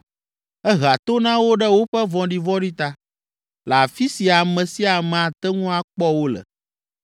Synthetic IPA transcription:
ɛ˦ɣa˨t̪o˦nã˦wo˦ɖɛ˦wo˦ɸɛ˦vɔ̃˨ɖi˦vɔ˦ɖi˦t̪a˦ | la˨fi˦si˨a˨mɛ̃˨si˦a˨mɛ̃˨a˨t̪ɛ˦ŋũ˦a˨k͡pɔ˦wo˦lɛ̰˨

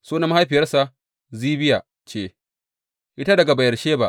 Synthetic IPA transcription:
suː˦nɐ˦m˦ha˦jɸɪ˨jɐ˦rsa˨ | ziː˦bɪ˦ja˨ | t͡ʃeː˦˨ | ʔɪ˦ta˦dɐ˨ɡa˨bɐ˨jɐ˨rʃeː˦ba˦ʔ

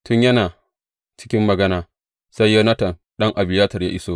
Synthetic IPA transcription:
tʊ˦ɲjɐ˦naː˨ | t͡ʃɪ̥˦kʲɪ˦mːɐ˨ɡɐ˦naː˨ | sa˦jːo˦nɐ˦tɐ˨nɗɐ˦ŋʔa˨bɪ˨jaː˦tɐ˨rjaː˦ʔɪ˦soː˦

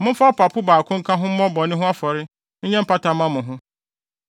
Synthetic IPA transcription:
mʊ̃˦fa˦pa˨pʰʊ˦baː˨kʰʊ̃˦ŋ̩˦kʰã˦ɦʊ̃˦mɔ̃˦bɔ˨nɪ̃˦ɦʊ̃˦a˦fɔ˨ɾɪ˦ | ɲ̩˦ɲɛ˦m̩˦pa˦ta˨mã˦mʊ̃˨ɦʊ̃˦

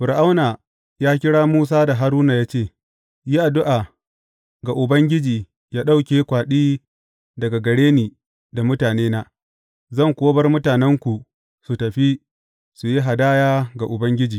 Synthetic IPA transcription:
ɸʊ˨ɾʔa˦wna˨ | jaː˦kʲɪ˦ɽaː˦muː˦s̬aː˦da˨ɦa˦ɾuː˦na˨jaː˦t͡ʃeː˦˨ | jiː˦ʔa˨dʊ˦ʔaː˨ | ɡa˨ʔʊ˨bɐ˦ŋɡʲɪ˦d͡ʒiː˨ | jaː˦ɗa˦wkʲeː˦kʷaː˨ɗiː˦ | dɐ˨ɡa˨ɡɐ˨ɽeː˦niː˨ | da˨mʊ˦taː˨neː˦na˦ | zɐ˦˨ŋkʷoː˦bɐ˦rmʊ˦taː˨nɛ˦ŋkʷu˨ | su˨tɐ˨ɸi˦ | su˨ji˦ɦa˨daː˦jaː˦ɡa˨ʔʊ˨bɐ˦ŋɡʲɪ˦d͡ʒiː˨

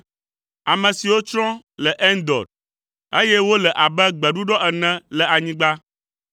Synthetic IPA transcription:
a˨mə̃˨si˨wo˦t͡ʃɾɔ̃˦ | lɛ˨ʔɛ˦nd̪ɔ̰˨ɖ̚ | e˦jɛ˦wo˦lɛ˨ʔa˨bɛ˦ɡ͡bɛ˨ɖu˦ɖɔ˦ɛ˨nɛ̃˦lɛ˨a˨ɲĩ˦ɡ͡ba˦

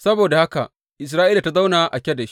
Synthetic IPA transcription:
sɐ˦boː˨da˨ha˦ka̰˨ʔ | ʔɪ˨s̬ɾaː˦ʔiː˦la˨ta˦za˦wnaː˨ʔa˨kʲɛ˦dɐ˨ʃ

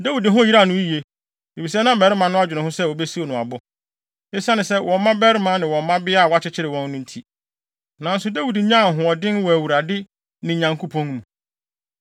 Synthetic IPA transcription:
dæ˦wi˨dɪ˨ɦʊ̃˦ji˦ɾa˦˨nʊ̃˦i˦je˦ | e˨fi˨sɛ˦nã˦bɛ˨ɾɪ˦mã˨˦nʊ̃˦a˦d͡ʑᶣɪ˨nʊ̃˨ɦʊ̃˦sɛ˦o˨bɛ˦si˦o˨nʊ̃˨a˨bʊ˦ | e˦si˦a˦nɪ̃˨sɛ˦wʔɔ̃˨mː˦ã˦bɛ˦ɾɪ˦mã˨˦nɪ̃˨wɔ̃˨m˦mã˦bɪ˦a˦˨wa˦t͡ɕʰɪ˦t͡ɕʰɪ˦ɾɪ˨wɔ̃˦nː˦ʊ̃˦n̩˦tʰi˦ | nã˨n̩˦sʊ˨dæ˦wi˨di˨ɲã˦˨ɦʊ̃˨ɔ˨dɪ̃˦nwɔ˨æ˨wu˨ɾa˨dɪ˦ | nɪ̃˨ɲã˨ŋkʰo˦pʰɔ̃˦n˦mũ˨

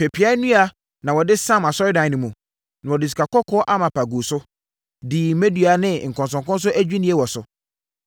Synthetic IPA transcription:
pʰe˨pʰi˨˦a˦nũ˦a˨ | nã˨wɔ˨dɪ˦sã˦ma˨sɔ˦ɾɪ˦dã˨nĩ˨mũ˨ | nʊ̃˨wɔ˨dɪ˨s̬i̥˨ka˨kɔ˦kʰɔ˦ʔa˦mã˨pʰa˨ɡu˨sʊ˦ | diː˨me˦dɥa˨˦nɪ̃˦˨ŋ̩˨kʰɔ̃˨nsɔ̃˨ŋkɔ̃˦n˦s̬ʊ˦ʔæ˦d͡ʑᶣi˦nĩ˨˦ɛ˦wɔ˨sʊ˨

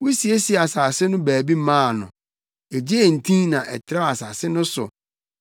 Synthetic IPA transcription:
wu˦si˨e˦si˨a˨saː˨sɪ˦nʊ̃˦bæː˨bi˦mãː˦˨nʊ̰̃˨ | e˨d͡ʑe˦e˨n̩˨tʰĩ˦nã˨ʔɛ̰˨tʰɪ˨ɾa˦a˨saː˨sɪ˦nʊ̃˦sʊ̰˨

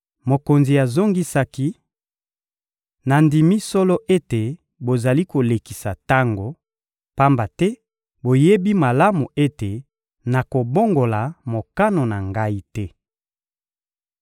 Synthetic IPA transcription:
mo˨ko˨nzi˨ja˨zo˦ŋɡi˦sa˦ki˦ | na˨ndi˨mi˦sɔ˦lɔ˦ʔe˦te˨ | bo˨za˨li˦ko˨le˨ki˨sa˨ta˦ŋɡo˨ | pa˦mba˨tɛ˦ | bo˨je˦bi˦ma˨la˦mu˨e˦te˨ | na˨ko˨bo˦ŋɡo˨la˨mo˨ka˦no˨na˨ŋɡa˦i˦tɛ˦

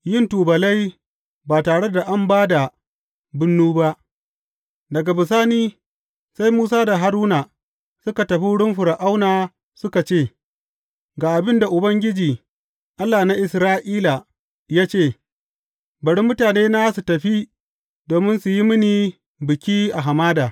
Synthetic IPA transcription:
jɪ˦˨ntuː˨bɐ˨la˦j | baː˨taː˨ɽe˦da˨ʔa˦mbaː˦da˨ | bʊ˦nːuː˦ba˦ʔ | dɐ˨ɡa˨bɪ˨s̬aː˦niː˦ | sa˦jmuː˦s̬aː˦da˨ɦa˦ɾuː˦na˨ | sʊ˦ka˨tɐ˨ɸi˦ɽʊ˦mɸʊ˨ɾa˨ʔa˦wnaː˨ | sʊ˦ka˨t͡ʃeː˦˨ | ɡaː˨ʔa˨bɪ˦nda˨ʔʊ˨bɐ˦ŋɡʲɪ˦d͡ʒiː˨ | ʔa˦lːaː˨na˦ʔɪ˨sɾaː˦ʔiː˦la˨ | jaː˦t͡ʃeː˦˨ | bɐ˨ɽi˦mʊ˦taː˨neː˦na˦su˨tɐ˨ɸi˦ | doː˨mɪ˦nsu˨ji˦mɪ˦niː˨ | bɪ˨kʲiː˦ʔa˨ɦa˨maː˦daː˨

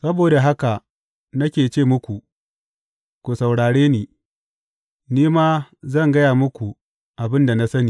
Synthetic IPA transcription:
sɐ˦boː˨da˨ɦa˦ka˨ | nɐ˦kʲeː˨t͡ʃeː˦˨mʊ˦kʷu˨ | kʷu˨sa˨wɽaː˨ɽeː˦niː˨ | niː˦maː˦zɐ˦˨ŋɡɐ˦jaː˨mʊ˦kʷu˨ | ʔa˨bɪ˦nda˨na˦sɐ˦niː˨

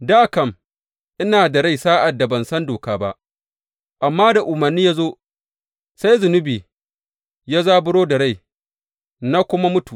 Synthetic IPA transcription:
daː˦˨kɐ˦˨m | ʔɪ˦naː˨da˨ɽa˦jsaː˦ʔa˨dːa˨bɐ˨nsɐ˦ndoː˨kaː˦ba˦ʔ | ʔa˨mːaː˦da˨ʔʊ˨mɐ˨rnːiː˦ja˦zoː˦ | sa˦jzʊ˨nʊ˦biː˨ | ja˦zaː˦bʊ˦ɽoː˦da˨ɽa˦˨j | na˦kʷʊ˦ma˦mʊ˦tu˨

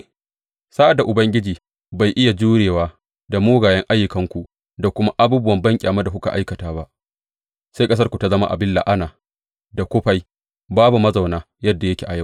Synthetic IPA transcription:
sa˦ʔa˨da˨ʔʊ˨bɐ˦ŋɡʲɪ˦d͡ʒiː˨ | ba˨jʔɪ˦ja˨d͡ʒuː˦ɽeː˨waː˦ | da˨moː˦ɡaː˨jɐ˦ŋʔa˦jːʊ˨kɐ˦ŋkʷu˨ʔ | da˨kʷʊ˦ma˦ʔa˦buː˦bʊ˦wɐ˨mbɐ˦ŋkʲʼaː˨ma˦da˨kʊ˦ka̰˨ʔa˦jkɐ˨taː˦ba˦ʔ | sa˦jkʼɐ˦s̬ɐ˦rkʷu˨ta˦zɐ˦ma̰˦ʔa̰˨bɪ˦lːa̰˨ʔa˦naː˨ | da˨kʷʊ˦ɸa˦j | baː˦bu˨mɐ˦za˨wnaː˦ | jɐ˦dːa˨jɐ˦kʲe˨ʔa˨ja˦˨w

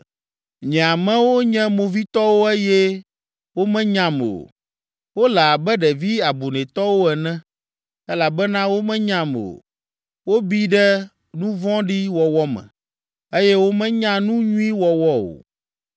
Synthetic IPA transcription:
ɲɛ̃˨a˨mɛ̃˦wo˦ɲɛ̃˦mõ˨vi˦t̪ɔ˦wo˦ɛ˦jɛ˦ | wo˦mɛ̃˦ɲã˨m˨o̰˨ | wo˦lɛ˨a˨bɛ˦ɖɛ˨vi˦a˨bu˨nɛ̃˨t̪ɔ˦wo˦ɛ˨nɛ̃˦ | ɛ˦la˨bɛ˦nã˦wo˦mɛ̃˦ɲã˨mo̰˨ | wo˦bi˦ɖɛ˦ | nũ˦vɔ̃˦ɖi˦wɔ˨wɔ˦mɛ̰̃˨ | e˦jɛ˦wo˦mɛ̃˦ɲã˦nũ˦ɲũ˦i˦wɔ˨wɔ˦o̰˨

